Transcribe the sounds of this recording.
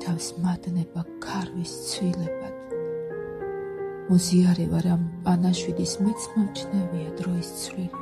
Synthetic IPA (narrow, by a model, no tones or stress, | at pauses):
t̪ʰafsmad̪nɛbakʰaɾvist̪sʰvilɛbad̪̥ | mɔziaɾɛvaɾampʼanaʃwid̪ismɛt̪sʰmɔmt͡ʃʰnɛviad̪ɾɔist̪sʰvlil